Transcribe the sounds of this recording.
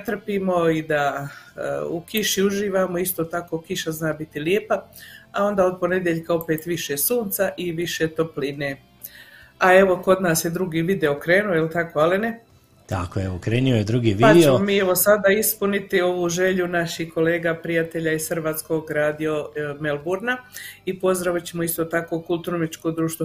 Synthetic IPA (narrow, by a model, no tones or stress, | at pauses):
t̪r̩piːmo̞id̪a̰ | ukiʃiuʒiːʋaːmoist̪ot̪ako̞ːkiʃaznaːbit̪iljeːpaao̞nd̪aːo̞d̪̚po̞ne̞d̪jeʎkao̞pe̞ːt̪ʋiʃesuːnt̪saʔiʋiʃet̪o̞plineː | ae̞ʋo̞ko̞d̪naːsjed̪ɾuɡiːʋid̪eokɾe̞ːnuojelt̪ako̞aline | t̪a̰kojeokɾeːniojed̪ɾuɡiʋipadt͡ɕeeomomiːeʋo̞sad̪aispunit̪io̞ʋuːʒe̞ʎunaʃihko̞leːɡapɾijat̪eʎaisxrʋaːt̪sko̞ɡɾaːd̪io̞melbuɾnaipo̞zd̪ɾaʋit͡ɕemoist̪o̞t̪ako̞kulˠt̪uɾomet͡ʃko̞d̪ɾuːʃt̪o